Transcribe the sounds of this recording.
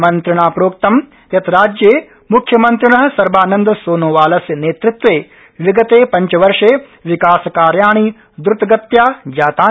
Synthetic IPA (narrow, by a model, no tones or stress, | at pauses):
mɐnt̪ɾɪɳaːpɾoːk̚t̪ɐm | jɐt̪ɾaːd͡ʒjeː | mukʰːjɐmɐnt̪ɾɪɳɐɦɐsɐɾbaːnɐnd̪ɐsoːnoːʋaːlɐsjɐneːt̪ɾɪt̪ʋeː | ʋiɡɐt̪eːpɐ̃ɲt͡ʃɐʋɐɾʂeː | ʋɪkaːsɐkaːɾjaːɳ̃iː | d̪ɾʊt̪ɐɡɐt̪jaːd͡ʒaːt̪aː